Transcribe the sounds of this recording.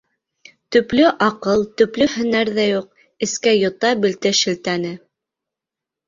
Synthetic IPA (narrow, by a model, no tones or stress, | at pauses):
t̪ɵ̆plɵʔɑqɤlˠt̪ɵ̆plɵhɵ̆næɾðæjuq̚ | ɘ̆skæjŏt̪ɑbɘ̆lt̪ɘʃɘ̆lt̪ænɘ